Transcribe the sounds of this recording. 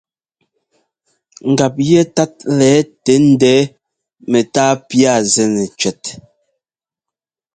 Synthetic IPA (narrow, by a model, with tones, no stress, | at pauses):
ŋ̩˨ɡa˨p̚jɛ˦ta˦t̚lɛː˨˦te˨˦n̩˦dɛː˦ | mɛ˨taː˦pja˦˨zɛ˨nɛ˨t͡ʃɥɛ˨t̚